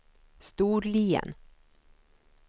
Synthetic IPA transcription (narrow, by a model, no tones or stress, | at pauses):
st̪uːɾliːə̰n